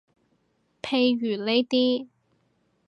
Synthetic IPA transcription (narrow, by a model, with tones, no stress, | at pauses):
pʰe˨˧jɥyː˨˩le˨˥jt̪iː˥